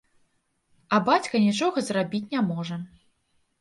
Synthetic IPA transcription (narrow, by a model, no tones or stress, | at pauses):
ɐbat͡sʲkɐnʲit͡ʂɔɣɐzrabʲit͡sʲnʲamɔʐɐ